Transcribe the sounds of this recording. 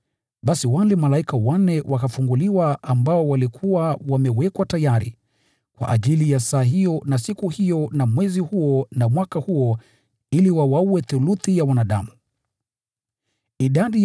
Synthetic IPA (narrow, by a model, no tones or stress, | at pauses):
ɓasiwalɛmalaikawanɛwʔakafuŋɡuliwaambaɔwalikʰuwawamɛwɛkwatajaɾḭ | kwa̰ʔa̰ʄilijasaːɦijɔnasikuhijɔnamwɛzihuɔnamwakahuɔ | iliwawauwɛθuluθijawanaɗamu | iɗaɗi